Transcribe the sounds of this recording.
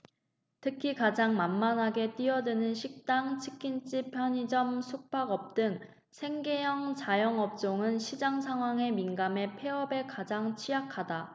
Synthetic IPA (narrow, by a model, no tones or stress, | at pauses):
tʰɯkʰikad͡ʑaŋmanmanɦaɡe̞t͈iʌdɯnɯnɕʰik̚t͈aŋt͡ɕʰɯ̥kʰint͡ɕ͈ipʰjʌɲid͡ʑʌmsʰuk̚p͈ʰaɡʌp̚t͈ɯŋ | sʰe̞ŋɡe̞jʌŋt͡ɕajʌŋʌp̚t͡ɕ͈oŋɯnɕʰid͡ʑaŋs̬ʰaŋɦwaŋe̞minɡame̞pʰe̞ʌbe̞kad͡ʑaŋt͡ɕʰijakʰada